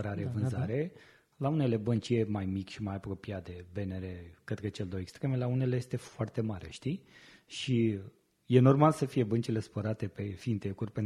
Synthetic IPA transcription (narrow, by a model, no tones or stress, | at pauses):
əɾaɾevɨnzzaɾe̞ | laune̞le̞bənt͡ʃijemajmikʲʃimajapɾo̞pijad̪e̞be̞ne̞ɾekɾet̪kət͡ʃe̞ld̪ojekst̪ɾe̞me̞launeleje̞st̪e̞foart̪e̞maɾḛʃt̪iʃi | je̞no̞rmalsəfije̞bənt͡ʃile̞spəɾat̪e̞pe̞fint̪e̞kurʲpen